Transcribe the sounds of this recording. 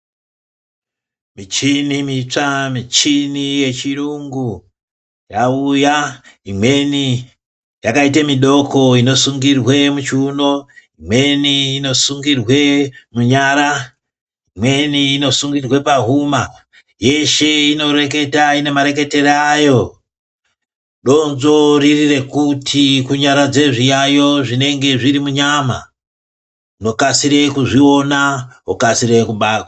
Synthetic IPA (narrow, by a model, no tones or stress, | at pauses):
mit͡ʃinimit͡ʂamit͡ʃinije̞t͡ʃiɾuŋɡu | jaujaimwe̞ni | jakaitemiɗo̞kʰo̞ino̞suŋɡirwe̞mut͡ʃuno̞imwe̞niːno̞suŋɡirwe̞muɲaɾa | imwe̞niːno̞suŋɡirwe̞paɦuma | je̞ʃe̞ino̞re̞ke̞taine̞maɾe̞ke̞te̞ɾajo̞ | ɗo̞nzo̞ririre̞kutʰikuɲaɾad͡ze̞ʐijajo̞ʐine̞ŋɡe̞ʐiɾimuɲama̰ | no̞kasiɾe̞kuʐio̞naokasiɾe̞kuɓaːkwa